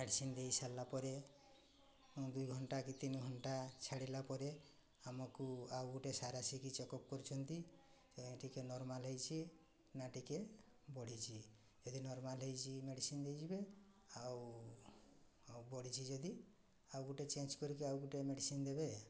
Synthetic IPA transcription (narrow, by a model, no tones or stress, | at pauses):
meɖisind̪ejsalːapɔɾe | d̪ujɡʱɔɳʈakit̪inɔɡʱɔɳʈat͡ʃʰaɽilapɔɾe | amɔkuawɡuʈesaɾasikit͡ʃɔkɔp̚kɔɾit͡ʃʰɔnt̪itɔʈikenɔɾmalɦejt͡ʃʰi | naʈike | bɔɽ̤it͡ʃʰi | d͡ʒɔd̪inɔɾmalɦejt͡ʃʰimeɽisind̪ejd͡ʒibe | aw | abɔɽ̤it͡ʃʰid͡ʒɔd̪i | awɡuʈet͡ʃend͡ʒkɔɾikiawɡuʈemeɽisind̪ebe